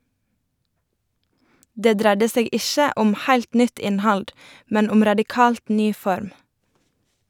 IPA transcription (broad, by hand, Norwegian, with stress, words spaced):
ˈdeː ˈdɾædə ˈseːɡ ˈɪʃə ˈɔm ˈhæɪlt ˈnʏt ˈɪnˌhɑld ˈmɛn ˈʊm ɾɑdɪˈkɑːlt ˈnyː ˈfɔɾm